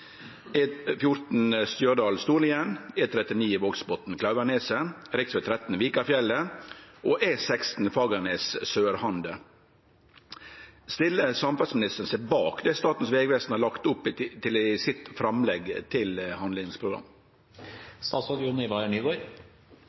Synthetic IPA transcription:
ɛfjʊɾt̪n̩st̪jøːɖɑːlst̪uːlɪɛnɛːt̪ʰɾɛt̪ɪniːɪʋoːɡsbɔt̪n̩kʰlɑʉʋəneːsəɾɪksʋɛːt̪ʰɾɛt̪n̩ʋiːkəɑfjɛlːəʔoːʔɛsɛkst̪n̩fɑːɡənessøːɾhɑnd̪ə | st̪ɪlːəsɑmfɑlsmɪnɪst̪əɾən̩seːbɑːkd̪ɛst̪ɑːt̪n̩sʋeːɡʋɛst̪n̩hɑlɑkt̪ʊpːt̪ʰɪlɪsɪt̪fɾɑmlɛɡt̪ʰɪlhɑnd̪lɪŋspʰɾʊɡɾɑ̰m | st̪ɑːsɑd̪juːnəɪʋɑːəɳyːɡoːɾ

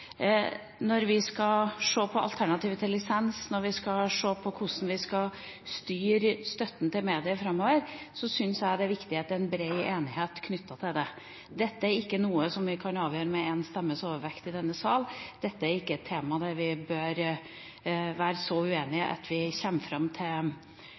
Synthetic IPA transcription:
nɔɾʋɪskɑʂoːpʰɔɑ̰lt̪ʰæɳɑt̪iːʋət̪ɪlːɪsɛnsnɔɾʋɪskɑʂoːpʰɔkʰʊsn̩ʋɪskɑ | st̪yːɾst̪œt̪ːn̩t̪ʰɪlmeːd̪ɪəfɾɑmːoːʋəɾsɔsʏnsjæɪd̪ɛæʋɪkt̪ɪheːt̪ːəɾɛnbɾeɪʔeːnɪɦeːt̪kʰnʏt̪ʰːɑt̪ʰɪld̪ɛ | d̪ɛt̪ːəæɾɪkːənuːəsɔmʋɪkʰɑnɑːʋjøːɾəmɛɛnst̪ɛmːəsoːʋəɾʋɛkt̪ɪd̪ɛnːəsɑːld̪̥ɛt̪ːəæɾɪkːəɛt̪ʰːeːmɑd̪æɾʋɪbøːɾ | ʋæːɾəsɔʉeːnɪəʔɑ̰t̪ʰʋɪçɛmːəfɾɑmːt̪ʰɪl

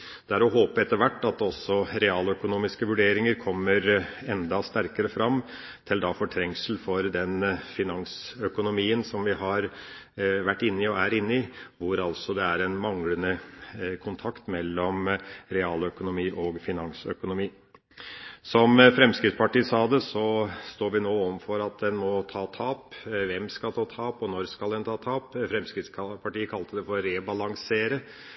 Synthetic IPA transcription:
d̪̥ɛæɾɔɦoːpəɛt̪ːəɾʋæʈːɑt̪ɔsːɔɾɛɑːlœkʊnuːmɪskəʋʉɖeːɾɪŋəɾkʰɔmːəɾɛnd̪ɑst̪æɾkəɾəfɾɑm | t̪ʰɪld̪ɑfɔʈʰɾɛŋsəl̩fɔɾd̪ɛnfɪnɑŋsœkʊnʊmiːənsɔmʋɪɦɑɾ | ʋæʈːɪnːɪɔæɾɪnːəɪʋʊɾɑlsɔd̪ɛæɾɛnmɑŋlənəkʰʊnt̪ʰɑkt̪mɛlːɔmɾɛɑːlœkʊnʊmiːʔɔɡfɪnɑnsœ̰kʊnʊmiː | sɔmfɾɛmskɾɪt̪spɑʈiːsɑːd̪ɛsɔst̪oːɾʋɪnoːoːʋənfɔɾɑt̪̚d̪ɛnmɔt̪ʰɑːt̪ʰɑːpʋɛmskɑlt̪ʰɑːt̪ʰɑːpɔnɔɾskɑld̪ɛnt̪ʰɑːt̪ʰɑːpfɾɛmskɾɪt̪sʰpʰɑʈiːəkʰɑlt̪əd̪ɛfɔɾɾɛbɑlɑŋseːɾə

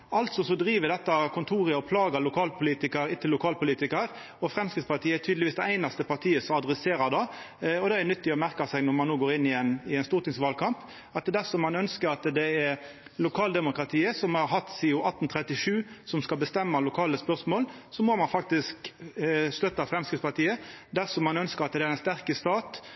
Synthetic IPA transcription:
ʔɑlt̪sɔsɔd̪ɾiːʋəd̪ɛt̪ːɑkʰʊnt̪ʰuːʁəɔpʰlɑːɡɑlʊkʰɑːlpʰʊliːt̪ɪkəɾɪt̪ʰɪlːʊkʰɑːlpʊliːt̪ɪkəɾ | ɔfʁɛmskɾɪt̪spɑt̪ʰiːəɛt̪ʰyːd̪lɪʋiːsd̪ɛæɪnɑst̪əpɑt̪ʰiːəsɔɑd̪ʁɛseːɾɑd̪ɑ | ɔd̪ɛɛɛnʏt̪ːɪɔmæʁkɑsɛɪɡnɔʁmɑnːuːɡoːɾɪnːɪɛnɪɛɪnst̪uːʁt̪ɪŋsʋɑːlkʰɑmp | ɑt̪d̪æʁsɔmːɑnœnskəɾɑt̪d̪ɛɛɾ | lʊkʰɑːld̪ɛmʊkɾɑt̪ʰiːəsɔmhɑɾɦɑt̪ːsɪːʊʔɑt̪ːn̩t̪ʰʁɛt̪ːɪʂʉːsɔmskɑlbəst̪ɛmːɑlʊkʰɑːləspœʁsmoːlsɔmɔmɑnfɑk̚t̪ɪsk | st̪œt̪ːɑfɾɛmskɪt̪spɑʁt̪iːəd̪æʁsɔmɑnœnskəɾɑt̪d̪ɛæɾɛnst̪æʁkəst̪ɑːt̪

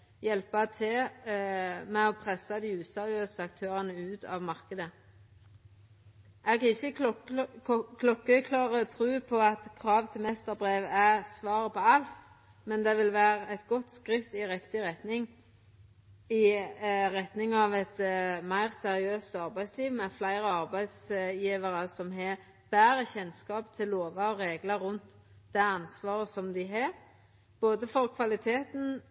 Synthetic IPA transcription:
jɛlpɑt̪ʰɪ | mɛɔpʰʁɛsːɑd̪ɪʉːsɛʁɪøːsəɑkt̪ʰøːʁənəʉːt̪ɑ̰ːʋmɑʁkəd̪ə | ʔɛɡkʰɑɪçːə | kʰlɔkːəkʰlɑːʁət̪ʰʁʉːpʰɔɑt̪kʰʁɑːʋt̪ʰɪmɛst̪əʁbʁeːʋæʁsʋɑːʁəpɔɑlt̪ | mɛnd̪ɛʋɪlʋæːʁəɛt̪ɡɔt̪skʁɪt̪ːɪʁɪkt̪ɪʁɛt̪nɪŋ | ɪɾɛt̪nɪŋɑʋɛt̪mæɪʁsɛɾɪøːst̪ɑɾbæɪsliːʋmɛflæɪɾəɑɾbæɪsjiːʋəɾəsɔmɦɛ | b̥æːɾəçɛnskɑːpt̪ʰɪlːoːʋɑɔɾeːɡləɾʉnt̪ | d̪æɑnsʋɑːɾəsɔmd̪ɪɦɑɾ | b̥oːd̪əfɔɾkʰʋɑlɪt̪ʰeːt̪n̩

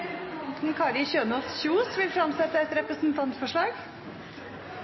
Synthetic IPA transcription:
t̪n̩kʰɑːɾɪçøːnɔsçuːsʋɪlfɾɑmsɛt̪ːəɛt̪ɾɛpɾəsnt̪ʰɑnt̪fɔʂɭɑːɡ

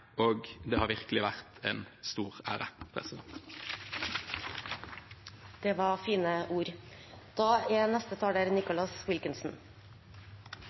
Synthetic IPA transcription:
oːɡd̪eːhɑːɾʋɪʁkəlɪʋæʁt̪eːnst̪uːʁæːʁəpʰʁɛ̰sɪd̪ɛnt̪ | d̪̥eːʋɑːʁfiːnəʔuːɾd̪̥ɑːeːnɛst̪ət̪ʰɑːɖeːɾnɪkʊlɑswɪlkɪnsn̩

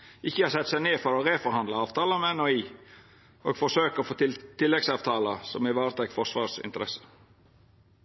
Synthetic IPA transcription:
ɪçːəhɑːsɛt̪ːsæɪneːfɔɾɔʁeːfɔɾhɑnd̪ləɑːʋt̪ʰɑːləmɛɛnoiː | ʔo̰ːɡfɔʂøːkəfoːt̪ɪlt̪ʰɪlːɛɡsɑːʋt̪ʰɑːləsɔmɪʋɑːɾt̪ʰɾɛkfɔʂʋɑːsɪ̰nt̪əɾɛ̰sə̥

